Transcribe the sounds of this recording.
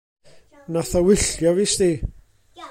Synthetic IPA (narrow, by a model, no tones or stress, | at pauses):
naθawɪɬjɔviːst̪i